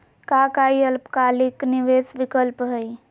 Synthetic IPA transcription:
kakaiəlpkalikniʋesʋikəlpɦəj

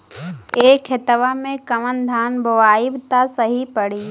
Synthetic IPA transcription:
eːkʰet̪əʋamẽkəmənd̪ʱaːnboʋaːɪbt̪asəɦipəɽ̤iː

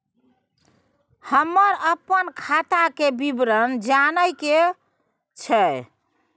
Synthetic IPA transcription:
həmːəɾəpːənkʰat̪akebibɾənd͡ʒanəjke | t͡ʃʰə

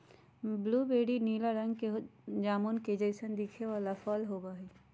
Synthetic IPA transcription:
bluːbeːɖiniːlaɾə̃ŋɡkeɦd͡ʒaːmoːnked͡ʒəɪsənd̪ikʰeʋaːlafɔːlɦoːɡaːɦiː

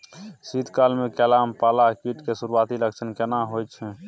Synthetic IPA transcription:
sid̪ʱkalmekɛlampalakiʈkesuɾuat̪iləkt͡ʃʰənkɛnaɦojt͡ʃʰɛ̃

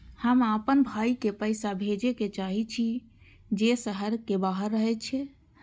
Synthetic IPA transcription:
həmapənbʱaikepəjsabʱed͡ʒeket͡ʃaɦit͡ʃʰi | d͡ʒesəɦəɾkebaɦəɾːəɦɛt͡ʃʰɛ

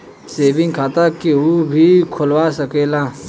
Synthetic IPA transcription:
seːʋɪ̃ŋɡkʰaːt̪akiuːbʱikʰʊlwasɐkeːlãː

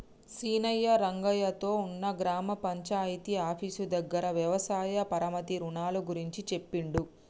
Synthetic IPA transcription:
siːnɐjːɐɾɐŋɡɐjɐt̪o̞ːunːɐɡɾaːmɐpɐɲt͡ʃaːjit̪iaːpʰiːsud̪ɐɡːɐɾɐʋjɐʋɐsaːjɐpɐɾɐmɐt̪iɾuɳaːluɡuɾiɲt͡ʃit͡ʃe̞pːiɳɖu

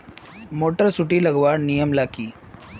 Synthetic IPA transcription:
moʈəɾsuʈiːləɡʋaɽnijəmlakiː

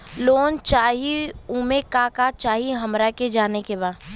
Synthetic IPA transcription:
loːnt͡ʃaːɦiuːmekakat͡ʃaːɦiɦəmɾaked͡ʒaːnekebaː

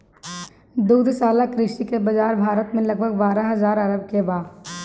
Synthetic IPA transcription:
d̪uːd̪saːlakɾɪʃikebɐd͡ʒaːɾbʱaːɾət̪mẽlɐɡ̚bʱəɡbaːɾãɦɐzaːɾɐɾəbkebaːd̪

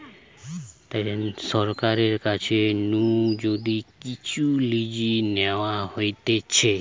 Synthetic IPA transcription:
t̪esɔɾkaɾeɾkat͡ʃʰenũd͡ʒod̪ikit͡ʃulid͡ʒinɛʋãɦojt̪et͡ʃʰe

